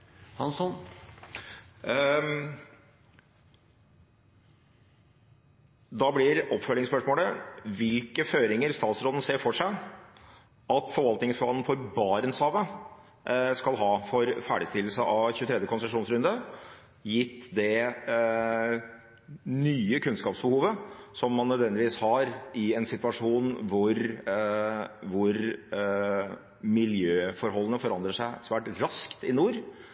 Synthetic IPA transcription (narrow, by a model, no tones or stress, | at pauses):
hɑnsɔn | d̪ɑblɪɾɔpːfœlɪŋspœʂmoːləʋɪlkəføːɾɪŋəɾst̪ɑːt̪sɾoːd̪n̩seːfɔʂæɪ | ɑt̪fɔɾʋɑlt̪nɪŋsfɔɾhɑln̩fɔɾbɑːɾənshɑːʋə | skɑlɦɑːfɔɾfæːɖɪst̪ɪll̩səʔɑʋçʉːt̪ʰɾɛd̪jəkʰɔnsəʂuːnsɾʉnd̪ə | jɪt̪ːd̪ɛ | nyːəkʰʉnskɑːpsbəhuːʋəsɔmːɑnːœd̪ʋɛnd̪ɪʋiːshɑɾɪɛnsɪt̪ʋɑʂuːnʋʊɾ | ʋʊɾ | mɪljøːfɔɾɦɔlːnəfɔɾɑnd̪ɾəʂæɪsʋæːʈɾɑskt̪ɪnuːɾ